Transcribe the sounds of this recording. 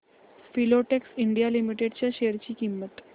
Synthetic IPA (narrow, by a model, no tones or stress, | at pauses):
filoʈeksiɳɖijalimiʈeɖt͡ɕjaɕeɾt͡ɕiːkimːət̪